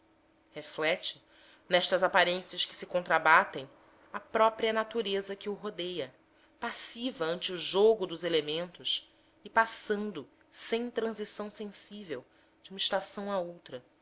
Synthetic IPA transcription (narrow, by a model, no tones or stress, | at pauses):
heflɛt͡ʃɪ̥ | nɛʃt̪ɐzapaɾẽsiɐskɪ̥sɪkõnt̪ɾabat̪ẽj̃ | ɐpɾɔpɾiɐnat̪uɾezɐkɪʊɦod̪ejɐ | pasivɐɐ̃nt͡ʃɪʊʒoɡʊd̪ʊzelemẽnt̪ʊs | ɪpasɐ̃nd̪ʊ | sẽj̃t̪ɾɐ̃zisɐ̃w̃sẽsivew | d͡ʒɪũmɐiʃt̪asɐ̃w̃aowt̪ɾɐ